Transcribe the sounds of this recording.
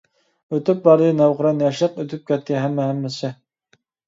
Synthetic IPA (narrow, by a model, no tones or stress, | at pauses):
øt̪yp̚bɑɾd̪ɨnæwʁəɾɑnjɛʃlˠəqøt̪ʰyp̚kʲɛt̪̚kʲɛɦæmːɛɦæmːɪsɪ